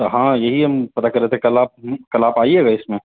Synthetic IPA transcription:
t̪ɦãːjɐɦiɦɐmpɐt̪akɐɾet̪ʰekɐlaːp̚kɐlaːpaːiɛɡaɪsmẽ

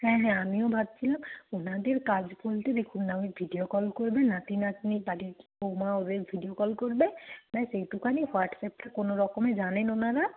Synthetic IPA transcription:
hɛ̃ɦɛ̃amiɔbʱad̚sʰilamunadiɹkazbʰoltɛdekʰunːawibʱidijɔkɔlkoɹibɛnatinatnibadikiomaʊzebʱidijɔkɔlkoɹibɛmasejtukanihwaʈsɛp̚takonoɹɔkɔmɛzanɛnɔnaɾa

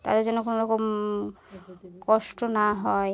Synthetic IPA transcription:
t̪a̰d̪eɾd͡ʑɔnːokonoɾɔkom | kɔʃʈonaɦɔe

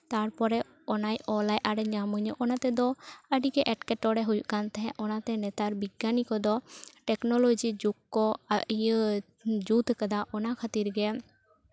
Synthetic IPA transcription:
t̪aɾpɔɾɛ | ɔnajɔlajʔaɾɛɲamuɲəʔɔnat̪ɛd̪ɔəɖikɛʔɛʈkɛʈɔɽɛɦujuʔkant̪ɛɦɛ̃ʔɔnat̪ɛnɛt̪aɾbiɡːanikɔd̪ɔʈɛknɔlɔd͡ʒid͡ʒukːɔaʔijə | d͡ʒut̪kad̪aʔɔnakʰat̪iɾɡɛ

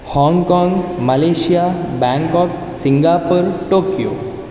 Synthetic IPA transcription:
hɔ̃ːŋɡkɔ̃ːŋɡməleːʃijabɛ̃ŋkɔːk | sɪŋɡaːpəɾʈoːkijo̰ː

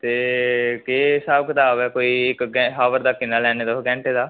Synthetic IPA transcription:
t̪eːkeːsaːbkət̪aːbɛːkoːiːɪkɡɛɦaːʋəɾd̪aːkɪnːaːlɛːneːd̪oːɡɛ̃ːɳʈeːd̪aː

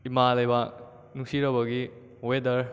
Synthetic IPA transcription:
imalajbak | nusiɾɐbaɡi | wedɐɾ

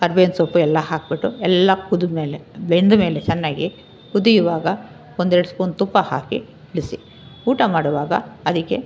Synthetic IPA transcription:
ɐɾbeːnsopːuɛlːɐhaːk̚biʈːuɛlːɐkud̪umeːlebeɳd̪ume̞ːlet͡ʃɛnːaːɡi | kud̪ijuʋaːɡɐ | ond̪eɽspoːnt̪upːɐhaːkḭ | iɭisi | uːʈɐmaːɽuʋaːɡɐ̰ɐd̪ikːe

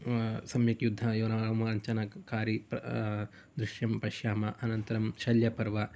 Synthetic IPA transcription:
sɐmjɐkjud̪ʱːɐjunaːɳɐmɐɐɲt͡ʃɐnɐkaːɾipɐ | d̪ɾuʃjɐmpɐʃjaːmɐʔɐnɐnt̪ɐɾɐmʃɐljɐpɐɾʋɐ

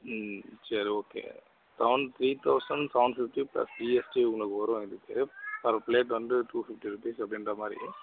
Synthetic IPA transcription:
sɐɾioːkḛː | sɐʋʊnɖt̪ʰɾiːt̪ʰɐʊsɐɳɖsɐʊɳɖfɪfʈiplɐ̰sd͡ʒiɛsʈiʊŋɡɐɭɐkːɯʋɐɾʊ̃ɪðɯkːɯpɐɾpleːʈʋɐnd̪ɯʈuːfɪfʈiɾupiːsɐpɐɽɪnɖɾɐmaːd̪ɾḭ

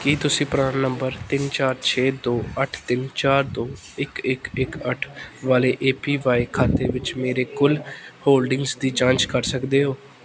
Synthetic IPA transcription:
kit̪ʊsĩːpɾãːnnəmbəɾt̪ɪnt͡ʃaːɾt͡ʃʰeːd̪oːəʈʰt̪ɪnt͡ʃaːɾd̪oː | ɪkɪkɪkəʈʰʋaːleːʔeːpiːʋaːikʰaːt̪eːʋɪt͡ʃmeːɾeːkʊlhoːlɖɪŋɡsd̪iːt͡ʃãːnt͡ʃkəɾsəkd̪eːɦoː

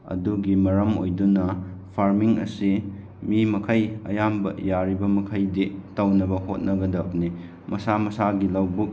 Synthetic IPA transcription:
ɐ̰duɡimɐɾɐmo̰jdunɐpʰaɾmiŋɐ̰si | mimɐkʰɐjɐ̰jambɐ̰jaɾibɐmɐkʰɐjditawnɐbɐhot̚nɐɡɐdɐp̚ni | mɐsamɐsaɡilawbuk̚

